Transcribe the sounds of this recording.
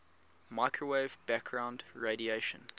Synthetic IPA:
maɪkʰɹəweɪvbæk̚ɡ̥ɹãʊ̃ndɹeɪɾieɪʃə̰̃n

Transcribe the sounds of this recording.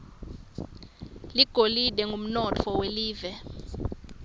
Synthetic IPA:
liɡ̥ʱoliɗɛŋɡʱum̩nɔt͡fʰɔweliːvɛ

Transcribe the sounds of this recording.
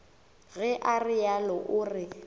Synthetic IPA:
ɣɛʔarɪjalɔʔʊrɪ

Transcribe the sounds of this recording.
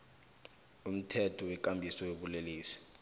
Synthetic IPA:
um̩tʰɛtʰɔwɛk̬ʼambʱisɔweɓuleliːsi̥

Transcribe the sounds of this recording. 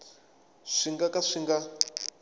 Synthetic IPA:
ʂiŋɡakaʂiŋɡa

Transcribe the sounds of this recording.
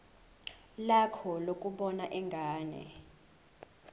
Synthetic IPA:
lakʰɔlok̬ʼuɓɔnaʔɛŋɡʱaːnɛ̰

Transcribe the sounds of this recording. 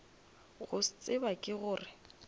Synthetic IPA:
ɣʊst͡sʼɪbakʼɪɣʊːrɪ

